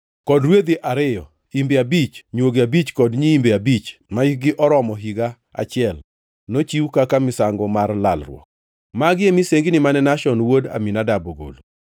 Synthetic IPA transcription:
kɔdɾwed̪iʔaɾɪjɔ̰ | imbeabit͡ʃɲwoɡeabit͡ʃkɔdɲiimbeabit͡ʃmaɡɪʔɔɾɔmɔɦiɡa | a̰t͡ʃɪɛl | not͡ʃiwkakamɪsaŋɡɔmarla̰lrwɔ̰k̚ | maɡɪemɪseŋɡinɪmanɛnaʃɔnwoda̰minadaboɡo̰lo

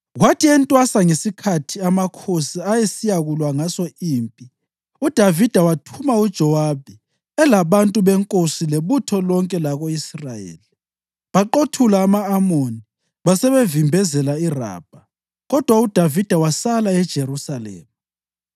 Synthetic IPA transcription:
ɣwatʰiɛntʼwasaŋesikʰatʰiamakʰosiajesijaɣulwaŋasɔiːmpʼi | ud̥ʱavid̥ʱawatʰumaud̥ʒ̥ʱɔwab̥ʱi | ɛlaβantʼuβɛŋkʼosileβutʰɔlɔŋkʼɛlaɣoisrajḛːli | βaǃotʰulaːmaːmoni | βasɛβevimbʱɛzɛlaira̰ːb̥ʱa | ɣɔd̥ʱwaud̥ʱavid̥ʱawasalaɛd̥ʒ̥ʱeɾusalɛ̰ːma

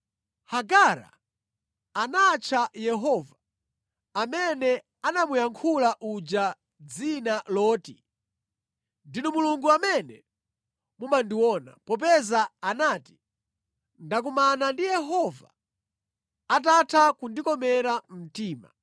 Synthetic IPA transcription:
haɡaɾa̰ | anat͡ʃʰajɛɦɔva | amɛnɛ | anamujaŋkʰulaʔud͡ʒa | d͡zinalɔːti | ndinɔmuluŋɡuamɛnɛ | mumandiwɔna̰pɔp̬ɛzaanaːti̥ | ndak̬umanandijɛɦɔva̰ | atatʰakundikɔmɛɾam̩tiːma̰

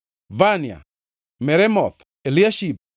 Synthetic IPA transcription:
vanja̰ | mɛɾɛmɔθ | eliaʃip̚

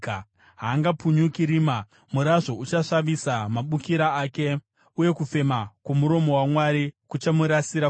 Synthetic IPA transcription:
ɦaːŋɡapuɲukiɾima | muɾaʐo̞ut͡ʃaʂaʋisamaɓukiɾaaːke̞ | uje̞kufe̞makumuɾo̞mo̞wamwaɾikut͡ʃamuɾasiɾa

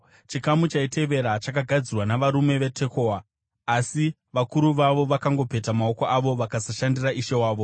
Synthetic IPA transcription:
t͡ʃikamut͡ʃaite̞ʋe̞ɾat͡ʃakaɡʱad͡zirwanaʋaɾume̞ʋe̞tʰe̞ko̞aː | si | ʋakuɾuʋaʋo̞ʋakaŋɡo̞pe̞tamao̞ko̞ʔaʋo̞ʋakasaʃandiraʔiʃe̞waːʋo̞

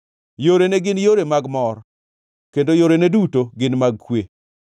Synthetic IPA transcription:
joɾeneɡɪnjoɾemaɡmɔɾ | kendojoɾenedutoɡɪnmaɡ̚kwe

